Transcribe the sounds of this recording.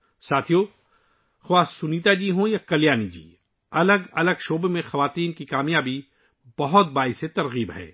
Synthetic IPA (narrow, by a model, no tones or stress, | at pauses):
saːt̪ʰijo | xwaːsːʊniːt̪ad͡ʒiːɦõjakɐljaːnid͡ʒḭː | ɐləɡɐləɡʃoːbemẽxɐʋaːt̪iːnkikaːmjaːbi | bɐɦʊt̪̚baːiset̪ɐɾɣiːbɦɛ̰ː